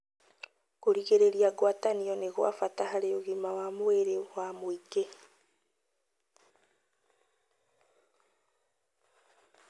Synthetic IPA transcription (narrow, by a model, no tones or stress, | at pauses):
koɾiɣeɾeɾiaɡwataniɔneɣwa̰fatahaɾeoɣimawamoeɾewamoike